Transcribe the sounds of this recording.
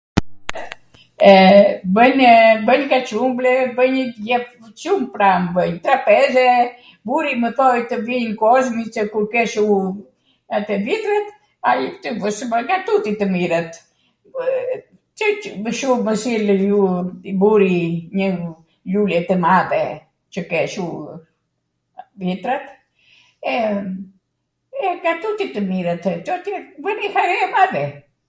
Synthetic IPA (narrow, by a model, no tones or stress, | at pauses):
ɛbəɲbəɲkat͡ʃumblɛbəɲjɛp | t͡ʃumpɾambəɲt̪ɾapɛzɛ | buɾiməθɔjt̪əvinkɔʒmit͡ʃəkuɾkɛʃu | at̪ɛvit̪ɾət̪ | ajɛpt̪yvəsəbəɡat̪ut̪it̪əmiɾət̪ | t͡ʃəvəʃuməsiljubuɾiɲə | lulɛt̪ɛmaðɛ | t͡ʃəkɛʃu | vjɛt̪ɾat̪ | ɛ | ɛɡat̪ut̪it̪əmiɾət̪t͡ʃɔt̪ivənihaɾɛamaðɛ